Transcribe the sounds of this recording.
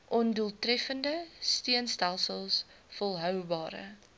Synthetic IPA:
ʔɔnduəlˠtrɛfəndəstiənstælˠsəlˠs | fɔlˠɦœwbɑːɾə̰

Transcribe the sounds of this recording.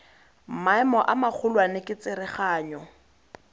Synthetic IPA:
m̩maɛmɔʔamak͡xʰʊlwanɪkʼɪt͡sɪɾɪχaːɲɔ

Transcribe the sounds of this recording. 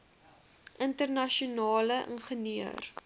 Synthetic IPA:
ʔəntərnɐʃiunɑːləʔə̰nχəniə̰r

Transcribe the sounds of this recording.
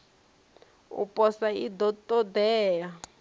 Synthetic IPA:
ṵpʼɔsaid̪ɔtʼɔdɛːja

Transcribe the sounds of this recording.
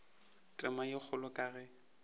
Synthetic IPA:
tʼɪmajɪk͡xʰʊlʊkʼaːɣɛ

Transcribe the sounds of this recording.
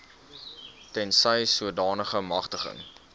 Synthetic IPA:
tɛnsəjsuədɑːnəχəmɐχtəχə̰ŋ

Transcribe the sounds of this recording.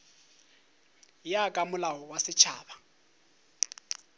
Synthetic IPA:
jakʼamʊlaɔwasɪt͡ʃʰa̰ːba

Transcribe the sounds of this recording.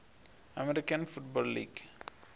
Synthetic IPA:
ɐmɛɾɪkɐnfʊʈ̚bɔːlːḭːɡ

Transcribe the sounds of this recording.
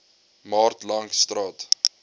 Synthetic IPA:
mɑːrtlɐŋst̪rɑːt

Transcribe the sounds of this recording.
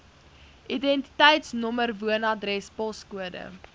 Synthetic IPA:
ʔidɛnti̥tɛjtsnɔmərvuənɑdrɛspɔskuədə̰

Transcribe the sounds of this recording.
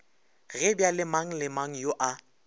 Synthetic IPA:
ɣɪbjalɪmaŋ̩lɪmaŋ̩joʔa

